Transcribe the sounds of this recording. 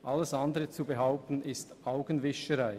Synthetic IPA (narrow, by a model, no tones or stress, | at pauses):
ʔalːəsandəʁət͡subəɦaʊp̚tn̩ɪstʔaʊɡənvɪʃəʁaɪ